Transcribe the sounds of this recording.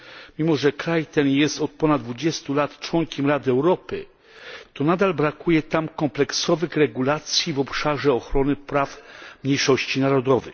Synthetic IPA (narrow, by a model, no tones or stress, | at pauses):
mʲimɔʐɛkɾajt̪ɛnjɛst̪ɔt̪̚pɔnad̪d̪vud͡ʑɛst̪ulat̪t͡ʂwɔŋkʲɛmɾad̪ɘɛwɾɔpɘ̰ | t̪ɔnad̪albɾakujɛt̪amkɔmplɛksɔvɘxɾɛɡulat̪sʲjivɔpʂaʐɛɔxɾɔnɘpɾafmɲejʂɔɕt͡ɕinaɾɔd̪ɔvɛ̰x